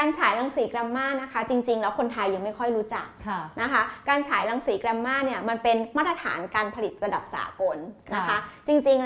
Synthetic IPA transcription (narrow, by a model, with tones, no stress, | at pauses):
kaː˧nt͡ɕʰaː˩˦jla˧ŋsiː˩˦kla˧mːaː˥˩na˦˥kʰa˦˥t͡ɕi˧ŋt͡ɕi˧ŋlɛː˦˥wkʰo˧nt̪ʰa˧jːa˧ŋma˥˩jkʰɔ˥˩jɾuː˦˥t͡ɕa˨˩k̚ʰna˦˥kʰa˦˥kaː˧nt͡ɕʰaː˩˦jla˧ŋsiː˩˦kla˧mːaː˥˩ni˥˩ɐma˧npe˧nmaː˥˩t̪̚ɾa˧t̪ʰa̰ː˩˦nkaː˧npʰa˧li˨˩t̪̚ɾa˧da˨˩p̚sa̰ː˩˦ko˧nna˦˥kʰa˦˥t͡ɕi˧ŋt͡ɕi˧ŋ